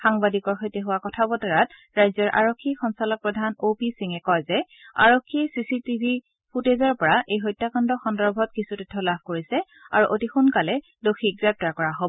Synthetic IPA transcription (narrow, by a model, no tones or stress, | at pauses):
xaŋbadikɔɹxɔjteɦʊwakɔtʰabɔtaɹat | ɹajzɔɹʔa̰ɹokʰːixɔnsalɔk̚pɹɔdʱanopisiŋɛkɔjzɛ | a̰ɹokʰːiesisitibʱi | pʰutezɔɹpɔɹaʔejɦɔjtːakɔndɔxɔndɔɹbʱɔt̚kisutitʰːɔlabʱkoɹisɛ | a̰ɹuʔotixunkalɛ | doxʰiɡɹap̚tɔakɔɹaɦobɔ